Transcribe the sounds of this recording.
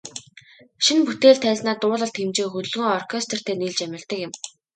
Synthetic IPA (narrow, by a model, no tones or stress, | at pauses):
ʃinput̪eːɮt̪ʰːæːɮʲnaːt̪ʊːɮə̆ɬt̪ʰemt͡ɕeːxɵt̪ɵ̆ɮɣuːŋɔrkʰest̪ʰɔ̆r̥t̪ʰeːniːɮt͡ɕæmʲɪ̆rt̪ə̆kɪ̆m